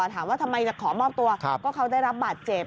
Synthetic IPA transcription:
ɔ˨˩t̪ʰaː˩˦mwaː˥˩t̪ʰa˧mːa˧jt͡ɕa˨˩kʰɔː˩˦mɔː˥˩p̚t̪u˧ɐ˧kɔː˥˩kʰa˦˧˥wda˥˩jɾa˦˥p̚baː˨˩t̪̚t͡ɕe˨˩p̚

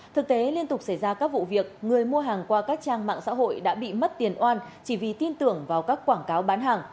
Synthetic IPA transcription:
t̪ʰɨ˨˩k̚t̪e˨˦li˧ənt̪ʊ˨˩k͡p̚sa˧˩jzaː˧kaː˦˥k̚vṵ˧˨vi˨˩ək̚ŋɨ˨˩əjmu˧əɦaː˨˩ŋkwaː˧kaː˦˥k̚t͡ɕaː˧ŋma̰ː˧˨ŋsa̰ː˧˥ɦo̰˧˨jɗa̰ː˧˥ɓḭ˧˨mə˦˥t̚t̪i˨˩ənʔwaː˧n | t͡ɕi˧˩vi˨˩t̪i˧nt̪ɨ˧˩əŋvaː˨˩wkaː˦˥kːwaː˧˩ŋkaː˨˦wɓaː˨˦nɦaː˨˩ŋ

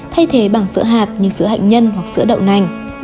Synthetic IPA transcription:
t̪ʰa˧jt̪ʰe˨˦ɓaː˧˩ŋsɨ̰˧˥əɦaː˨˩t̚ɲɨ̰˧sɨ˨˧˦ɦa̰ː˧˨jŋ̟ɲə˧nhwa˨˩k̚sɨ̰˧˥əɗə̰˧˨wna˨˩jŋ̟

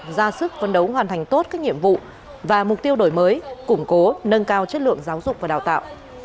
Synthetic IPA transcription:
zaː˧sɨ˦˥k̚fə˧˩nɗə˨˦wɦwaː˨˩nt̪ʰŋ̟t̪o˦˥t̚kaː˦˥k̚ɲḭ˧˨əmvṵ˧˨ | vaː˨˩mʊ˨˩k͡p̚t̪i˧əwɗo˧˩jməː˨˦jkʊ˧˩ŋ͡mko˨˦nə˧nkaː˧wt͡ɕə˦˥t̚lɨ̰˧˨əŋzaː˨˦wzʊ˨˩k͡p̚vaː˨˩ɗaː˨˩wt̪a̰ː˧˨wʔ

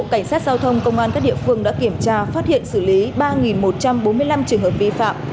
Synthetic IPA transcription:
o̰˧˨ka˧˩ŋ̟saː˦˥t̚z̥aː˧wt̪ʰə˧wŋ͡mkə˧wŋ͡mʔaː˧nkaː˦˥k̚ɗḭ˧˨əfɨ˧əŋɗa̰ː˧˥ki˧˩əmt͡ɕaː˧faː˦˥t̚hḭ˧˨ənsɨ˧˩li˨˦ɓaː˧ŋi˨˩nmo˨˩t̚t͡ɕa˧mɓo˨˦nmɨ˧əjla˧mt͡ɕɨ˨˩əŋhəː˨˩p̚vi˧fa̰ː˧˨m

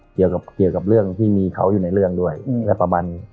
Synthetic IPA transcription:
ki˨˩əwka˨˩p̚ki˨˩əwka˨˩p̚ɾɯ˥˩əŋt̪ʰiː˥˩miː˧kʰa̰˦˥wjuː˨˩na˧jɾɯ˥˩əŋdu˥˩əjlɛ˦˥pa˧maː˧nːiː˦˥

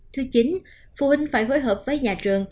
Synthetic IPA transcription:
t̪ʰɨ˨˦t͡ɕi˨˦n | fṵ˧˩hï˧ŋ̟faː˧˩jɦo˨˦jɦəː˨˩p̚vəː˨˦jɲaː˨˩t͡ɕɨ˨˩əŋ

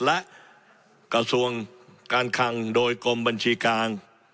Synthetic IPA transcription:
lɛ˦˥ʔ | ka˧su˧əŋkaː˧nkʰa˧˥ŋdoː˧jko˧mba˧nt͡ɕʰiː˧kaː˧n

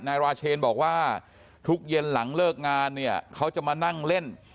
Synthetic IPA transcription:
naː˧jɾaː˧t͡ɕʰeː˧nbɔː˨˩k̚waː˥˩ | t̪ʰu˦˥k̚je˧nla˩˦ŋlɤː˥˩k̚ŋaː˧nːi˥˩ɐkʰa˦˥wt͡ɕa˨˩maː˧na˥˩ŋle˥˩n

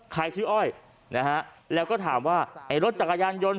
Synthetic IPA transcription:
kʰa˧jt͡ɕʰɯː˦˥ʔɔː˥˩j | na˦˥ɦa˦˥ʔlɛː˧˥wkɔː˥˩t̪ʰaː˩˦mwaː˥˩ʔa˧˩jɾo˦˥t̪̚t͡ɕa˨˩kːa˧jaː˧njo˧n

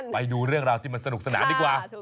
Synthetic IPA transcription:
ɓa˧jɗuː˧ɾɯ˥˩əŋɾaː˧wt̪ʰiː˥˩ma˧nsa˧ɗu˨˩k̚sa˧na̰ː˩˦ɗiː˨˦˩kwaː˧˩

